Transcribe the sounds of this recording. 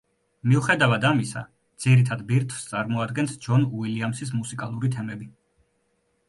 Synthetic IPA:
miuχɛd̪avad̪amisa̰ | d̪z̥iɾit̪ʰad̪biɾt̪ʰv̥st̪sʼaɾmɔad̪ɡɛnsd͡ʒɔnuiliamsis̬musikʼalˠuɾit̪ʰɛmɛbi

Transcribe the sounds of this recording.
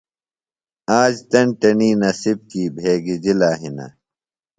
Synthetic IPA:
aːd͡ʑt̪ɐɳʈɐniːnɐsib̚kiːbʱeːɡid͡ʑilaːɦinɐ̰

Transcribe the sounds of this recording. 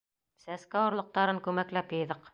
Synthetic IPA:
sæskæwɤ̆ɾlˠɤ̆q̚t̪ɑɾɤŋkʉmæklæpjɤ̆jðɤq

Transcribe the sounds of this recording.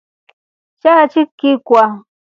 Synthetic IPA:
t͡ʃat͡ʃɪkːɪkʷa

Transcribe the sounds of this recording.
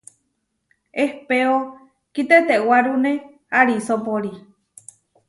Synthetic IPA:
ehpeo | kit̪et̪eʔwaɾunẽ | aɾisopoɾi

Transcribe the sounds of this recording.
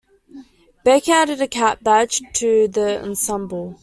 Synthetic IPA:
b̥ɛkaɾɪɾəkʰaʔ̚b̥ḁd͡ʒtʰəðəə̰̃nsʌ̃mbl̩ˠ

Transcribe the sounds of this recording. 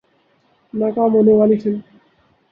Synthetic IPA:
nakamonealit͡ɕʰen

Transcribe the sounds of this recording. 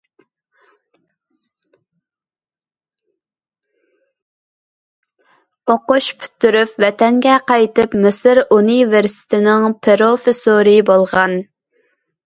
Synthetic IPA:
oqʊʃpʰy̥t̪ːyɾypvɛt̪ʰɛŋɡʲɛqɑjt̪ɨpmɨsɨɾuniveɾsɪ̥t̪ʰɪnɪŋpʰeɾofesoɾɨbolˠʁɑn

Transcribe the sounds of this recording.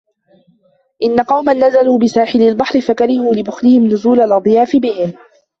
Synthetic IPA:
ʔɪnːaqɑwmanːazaluːbɪsaːħɪlalbɑħɾɪfakaɾɪhuːlɪbʊxlɪhɪmnʊzuːlalʔɑd̪ˤjaːfɪbɪhɪm

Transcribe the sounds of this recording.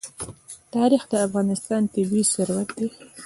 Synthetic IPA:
t̪ɑɾixd̪əafɣɑnɪst̪ɑnt̪ɪbisʊɾwat̪̚d̪e

